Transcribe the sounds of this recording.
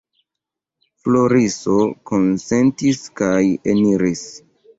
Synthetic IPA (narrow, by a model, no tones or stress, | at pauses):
floɾiso̞ko̞nse̞ntiskajḛniɾis